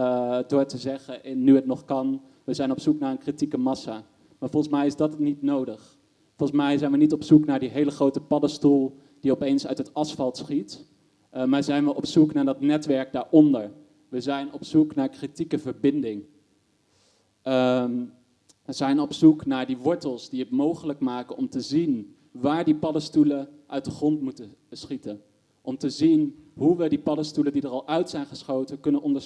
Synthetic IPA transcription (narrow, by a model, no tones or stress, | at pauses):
dʊːɹtəzɛχəʔɪnːyɦətnɔχkɑn | ʋəzɛjnɔpsuknaːɹənkritikəmɑsa | maːɹvɔlˠnsmɛjɪzdɑttnitnowdəχ | fɔlˠnsmɛjzɛjnʋənitɔpsuknaːɹdiɦejləχrowtəpɑdəstulˠ | d̥iɔpejnsœ̰ɥtɦətɑsfɑlˠtsχit | maːɹzɛjnʋəʔɔpsuknaːɹdɑtnɛtʋɛɹk̚daːɹʔɔndəɹ | ʋəzɛjnɔpsuknaːɹkritikəvəɹbɪndɪŋ | ʋəzɛjnɔpsuknaːɹdiʋɔɹtəlˠsdiətmowχələkmaːkənɔmtəzin | ʋaːɹdipɑdəstuləʔœɥt̚dəχrɔntmutəsχitən | ʔɔmtəzinɦuʋədipɑdəstulədidərɑlˠœɥtsɛjnχəsχowtəkɵnənʔɔndə